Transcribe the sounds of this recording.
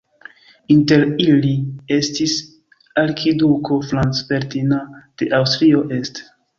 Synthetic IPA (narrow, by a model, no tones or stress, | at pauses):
inte̞ɾilie̞stis | aɾkʰiduko̞flanspe̞ɾtinad̥e̞ʔawstɾio̞ʔe̞st